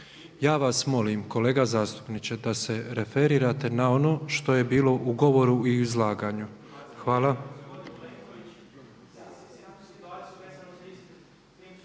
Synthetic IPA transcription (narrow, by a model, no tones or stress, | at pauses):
jaːʋasmo̞limko̞le̞ːɡazaːst̪u̥pnit͡ʃed̪ase̞ɾe̞fe̞ɾiːɾat̪e̞naono̞ːʃt̪o̞je̞biːlo̞ʔuɡo̞ʋo̞ɾuiuizlˠaːɡaɲuxʋaːla